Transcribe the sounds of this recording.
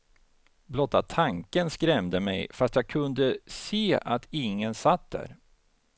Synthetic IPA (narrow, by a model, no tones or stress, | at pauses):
blɔt̪ːat̪ʰaŋkənskɾɛmd̪əmɛ̰jfast̪jaːɡ̚kʰɵnd̪əseːʔat̪ʰɪŋːənsat̪̚d̪æ̰ɾ